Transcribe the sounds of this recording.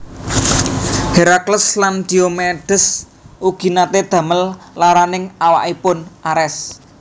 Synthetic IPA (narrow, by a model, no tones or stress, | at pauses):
heɾakləsland̪̥iomeɖ̥əs | ʔuɡ̥i̤nat̪ed̪̥ä̤məl | laɾanɪŋawa̰ʔipʊnʔaɾɛs